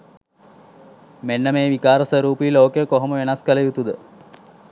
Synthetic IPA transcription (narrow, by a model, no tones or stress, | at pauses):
menːəmeːʋikaːɾəsəɾuːpijloːkejəkoɦoməʋenaskələjut̪ud̪ə